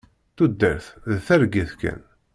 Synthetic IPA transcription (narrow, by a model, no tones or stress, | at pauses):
θud̪ːəɾθðθæɾɡiθkæ̰n